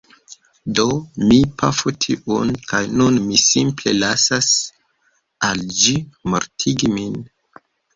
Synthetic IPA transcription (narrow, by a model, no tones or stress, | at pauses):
do̞mipʰafutʰiʔunkajnunmisimple̞lasas | ald͡ʒimo̰ɾtʰiɡimin